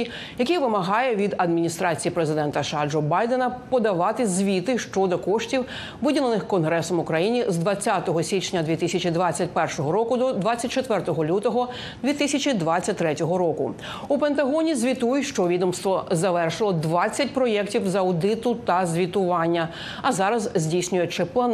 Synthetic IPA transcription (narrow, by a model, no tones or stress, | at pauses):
jɐkɛjʋɪmɐɦɑjɛʋʲid̪ɐd̪mʲinʲist̪ɾɑt͡sʲijipɾezɪd̪ɛnt̪ɐʃɑd͡ʒɔbɑjd̪enɐpɔd̪ɐʋɑt̪ɪzʲʋʲit̪ɪʃt͡ʃɔd̪ɔkɔʃtʲiw | ʋɪdʲilˠenɪxkɔnɦɾɛsɔmʊkɾɐjinʲizd̪ʋɐt͡sʲːat̪ɔɦɔsʲit͡ʃnʲɐd̪ʲʋʲit̪ɪsʲɐt͡ʃid̪ʋat͡sʲːɐtʲpɛrʃɔɦɔɾɔkʊd̪ɔd̪ʋat͡sʲːɐtʲt͡ʃet̪ʋɛrt̪ɔɦɔlʲut̪ɔɦɔ | d̪ʋʲit̪ɪsʲɐt͡ʃʲid̪ʋat͡sʲːɐtʲt̪ɾɛtʲɔɦɔɾɔkʊ̰ | upent̪ɐɦɔnʲizʲʋʲit̪ujʊʃt͡ʃɔʋʲid̪ɔmst̪ʋɔzɐʋɛrʃɪlˠɔd̪ʋɑt͡sʲːɐt̚ʲpɾɔjɛktʲiwzɐwd̪ɪt̪ʊt̪ɐzʲʋʲit̪ʊʋɑnʲːɐ | ɐzɑɾɐzzʲdʲijsʲnʲʊjɛt͡ʂɛplˠɐn